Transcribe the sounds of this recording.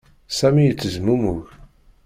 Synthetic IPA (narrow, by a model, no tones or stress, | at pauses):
sæmijət͡sːəzmumuʝ